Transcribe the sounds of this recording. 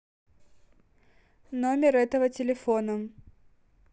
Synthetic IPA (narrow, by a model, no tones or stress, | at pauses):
no̞mʲɪɾɛt̪əvətʲɪlʲɪfonə